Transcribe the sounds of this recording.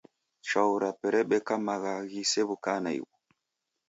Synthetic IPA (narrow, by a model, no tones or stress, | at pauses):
t͡ʃauɾapɛɾɛɓɛkamaɣaɣisɛβukanaḭwɔ